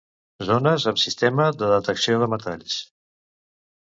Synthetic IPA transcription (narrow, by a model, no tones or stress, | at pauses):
zonəzəmsist̪ɛməðəðət̪əksioðəmət̪aʎs